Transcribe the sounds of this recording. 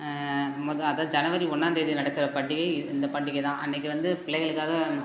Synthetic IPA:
mɔðɐðaːðɯd͡ʒɐnɐʋɐɾiɔɳːaːnd̪eːðinɐɽɐkːɯɾɐpɐɳɖɪɣɐɪɪnd̪ɐpɐʈːɖɪɣɐɪt̪ãːʔɐ̰nːɛkːɯʋɐnd̪ɯpɪɭɐɪɣɐɭɯkːaːɣɐ

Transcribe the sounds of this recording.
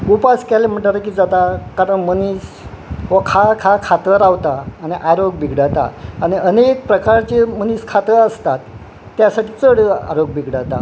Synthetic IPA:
upaskalem̤əʈlaɾək̬iːd͡zat̪akaɾəɳmənis | ɦʋakʰakʰakʰat̪əɾaʋt̪aːɽ̃iʔaɾoɡbʱiɡɽat̪a̰aɽ̃iənek̚pɾəkaɾt͡ɕeməniskʰat̪əəst̪at̪ː | jasaʈiːt͡səɽəa̰ɾoɡ̚bʱiɡɽat̪a̰

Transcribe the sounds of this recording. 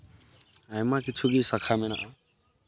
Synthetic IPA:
ɦajmakit͡sʰuɡisʌkʰamena̰ʔɔ

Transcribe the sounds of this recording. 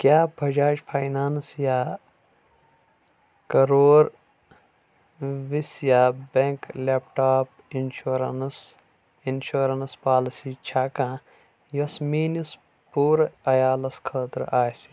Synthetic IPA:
kjaːbʱɐd͡ʒaːd͡ʒpʰaːjnaːnsjaː | kɐɾoːɾ | ʋisjaːbẽŋkleːp̚ʈaːp | inʃuːɾɐns | inʃuːɾɐnspaːlisiːt͡ʃʰaːkãː | jɐsmiːnis | puːɾɐjaːlɐskʰəːt̪ɾaːjsi̥

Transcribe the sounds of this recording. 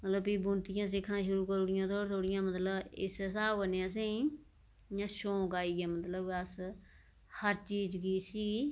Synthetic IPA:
mət̪ləbpiːbʊnt̪ɪjãːs̬ɪkʰɳãːʃʊɾuːkəɾɽɪjãːt̪ʰoːɾt̪ʰoːɽɪjãːmət̪ləbɪ̰sɛsaːənejãːsẽĩ | jãːʃõːkaːiːɡaːmət̪ləbəs | həɾt͡ʃiːd͡ʒɡiːsiː

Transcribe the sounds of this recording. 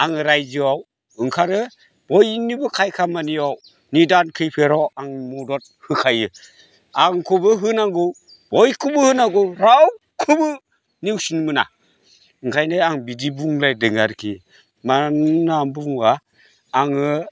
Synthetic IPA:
aŋɯɾajzɯaw | ɯŋkʰaɾɯ | b̥ɔjnibɯkʰajkʰamaniaw | nidankʰɯjpʰeɾɔwaŋmɔdɔt̚hɯkʰajɯ | aŋkʰɔbɯɦɯnaŋɡɯw | b̥ɔjkʰɯbɯhɯnaɡɯwɾaw | kʰɯbɯ | niwsinmɯna̰ | ɯŋkʰajnɯaŋbidibuŋlajdɯŋaɾkʰi | mannambuŋaː | ŋɯ

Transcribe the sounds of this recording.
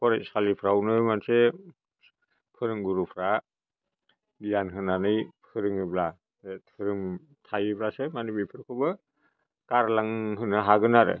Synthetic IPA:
kʰɔɾesʰalipʰɾawnɯmanse | pʰɯɾɯŋɡuɾupʰɾa | bijanɦɯnanɯjpʰɯɾɯŋɯbla | etʰɯɾɯŋ | tʰajɯbɾasemanibijpʰɯɾkʰɯbɯ | kaɾlaŋɦɯnɯɦaɡɯnaɾɯ̰

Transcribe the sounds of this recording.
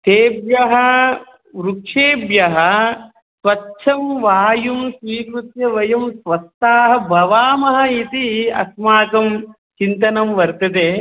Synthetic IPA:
t̪eːbjɐɦɐ | ʋɾukʂeːbjɐɦɐ | sʋɐtːʃʰɐmʋaːjumsʋiːkɾut̪jɐʋɐjɐmsʋɐst̪aːɦɐ̆bʱɐʋaːmɐɦɐ̆it̪iɐ̰smaːkɐm | t͡ʃint̪ɐnɐmʋɐɾt̪ɐt̪eː

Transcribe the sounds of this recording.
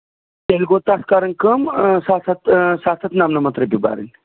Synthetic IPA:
t̪elɡoːt̪askaɾɐnkəmsaːsɐt̪saːsɐt̪namnɐmɐt̪ɾɐbiba̰ːɾḭn

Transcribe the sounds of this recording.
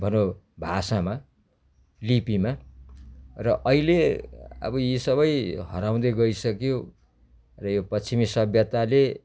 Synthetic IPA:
bʱʌno | bʱasama | lipima | rʌʔʌileʌ̰bʌjisʌβʌjɦʌɾaw̃d̪ʌjɡʌisʌkjo | rʌjopʌimisʌbʱjʌt̪ale

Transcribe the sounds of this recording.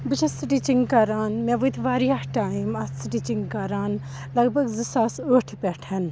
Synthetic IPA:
bɨt͡ʃʰɐsɨʈit͡ʃiŋɡkaːɾaːnmɛ̃ːʋut̪ʰʋaːɾiaʈaːimɐsiʈit͡ʃiŋɡkaːɾaːn | lɐɡbʱɐɡzɨsaːsoːʈʰpɛʈʰɐn

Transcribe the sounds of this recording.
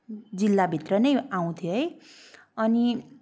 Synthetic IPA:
d͡zilːabʱit̪rʌnʌjaw̃t̪ʰjoɦʌj | ʌni

